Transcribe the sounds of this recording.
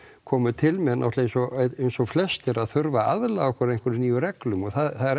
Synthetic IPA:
kʰɔːmʏt̪ʰɪlmɛnʔa̰ht̪laejnsɔejnsɔɣflɛst̪ɪɾaðθʏɾvaaðlaɣɔhkʰvɛɾejnkvʏɾɪniːjʏɾɛklʏmɔɣθaðθaðɛɾ

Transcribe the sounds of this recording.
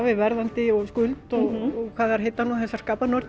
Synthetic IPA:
vɪvɛɾðant̪ɪɔɣskʏlt̪ɔɣɔkʰvaːðɛɾ̥ɦejt̪ːanuθɛsːḁskaːpanœɾt̪

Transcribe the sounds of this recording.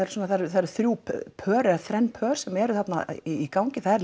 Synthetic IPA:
aɾ̥sɔnaθaɾθaɾθɾjuːppʰœːɾɛaθɾɛnːpʰœːɾ̥sɛmɛɾʏθat̪na̰iikaːwɲcɪθaðɛɾl

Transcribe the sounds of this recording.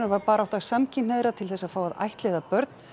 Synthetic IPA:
nʏɾvaɾpaːɾaawht̪asamcʰɪneːðɾat̪ʰɪlθɛsːaðfaːwaða̰jht̪lɛðapœɾt̪n

